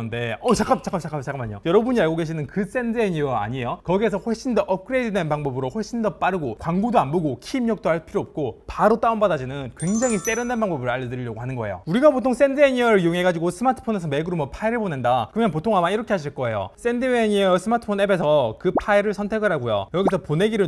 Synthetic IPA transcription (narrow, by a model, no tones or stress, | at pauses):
nde̞ʌt͡ɕak͈ap̚t͡ɕak͈ʰat͡ɕak͈ʰapt͡ɕak͈amaɲijojʌɾʌbuɲiaɭɡoɡe̞ɕʰinɯnkɯs͈e̞ndɯeɲiʌa̰ɲiejokʌɡies̬ʰʌɸoɭɕ͈indʌʔʌp̚kʰɯɾe̞d͡ʑide̞npaŋbʌbɯɾoɸoɭɕ͈ʰindʌp͈aɾɯɡokwaŋɡodoanboɡokʰiːmɲʌk̚t͈oɦaɭpʰiɾoːp̚k͈opaɾot͈aumbadad͡ʑinɯnkwe̞ŋd͡ʑaŋis͈e̞ɾjʌnːanbaŋbʌbɯɭaʎːʌdɯɾiʎjʌɡohanɯnɡʌe̞̰jo̰uɾiɡapotʰoŋs͈e̞ndɯeɲiʌɾɯɭijoŋɦe̞ɡad͡ʑiɡosʰɯmatʰɯ̥pʰone̞s̬ʰʌmeɡɯɾumʌpʰaiɾɯɭbone̞ndakɯʌmʌnpotʰoŋamaiɾʌkʰe̞ɦaɕ̬ʰiɭk͈ʌe̞̰jo̰s͈e̞ndɯeɲiʌsʰɯmatʰɯ̥pʰonebe̞sʰʌkɯpʰaiɾɯɭsʰʌntʰeɡɯɾɦaɡujo̰jʌɡisʰʌpone̞ɡiɾɯɭ